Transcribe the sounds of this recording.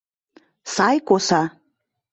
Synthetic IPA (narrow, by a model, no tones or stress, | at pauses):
sɑjkosɑ